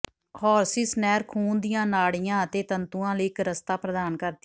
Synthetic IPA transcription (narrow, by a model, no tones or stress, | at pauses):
hɔːɾsɪsnɛːɾkʰuːnd̪ɪjãːnaːɽijãːət̪eːt̪ənt̪uːãːləɪkɾəst̪aːpɾəd̪aːnkəɾd̪